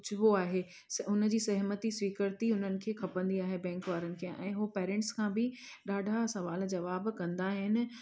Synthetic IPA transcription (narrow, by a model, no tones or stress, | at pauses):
ʊt͡ɕʰɪʋoaːɦeː | ʊn̆d͡ʑiːsɐɦmət̪isʋiːkəɾt̪iʊn̤ənɪ̆kʰeːkʰɐpə̃nd̪iaːɦebɛ̃ːŋkʋaːɾənɪ̆kʰeːʔɛ̰̃ːɦupeːɾɛ̃ːɳʈskʰãːbɪ | ɗaːɖʱasɐʋaːld͡ʑɐʋaːbkɐ̃nd̪aɦɪnɪ̆